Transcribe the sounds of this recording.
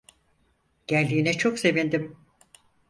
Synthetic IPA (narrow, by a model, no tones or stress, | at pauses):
ɟ̥æɾʲd̪iːnɛt͡ʃʰokse̞vind̪im